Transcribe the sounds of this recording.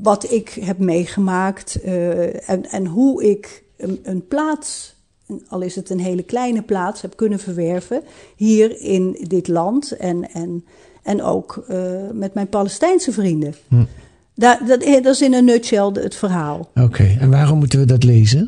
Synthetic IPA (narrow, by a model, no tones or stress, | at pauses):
ʋɑtɪkɦɛp̚mejχəmaːkt | ɛnɛnɦuɪk | ənplaːts | ɑlˠɪsətənɦejləklɛjnəplaːtshɛpkɵnənvəɹʋɛɹvəɦiːrɪndɪtlɑntɛnɛn | ɛno̰wkmɛtmɛjnpalɛstɛjnsəvrində | dadɑtɪsɪnənøtt͡ʃɛlˠdətfərɦaːlˠokʰejɛnʋaːrɔmːutənʋədɑtlejzən